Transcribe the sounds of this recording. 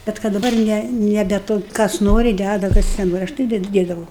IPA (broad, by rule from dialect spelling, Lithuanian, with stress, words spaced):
ˈbʲɛt kɐt dɐˈbɐr ˈnʲɛ nʲɛˈbʲɛ ˈtoː ˈkɐs ˈnoːrʲɪ ˈdʲædɐ ˈkɐs nʲɛˈnoːrʲɪ ˈɐʃ tɐɪ ˈdʲɛt ˈdʲeːdɐʋɐʊ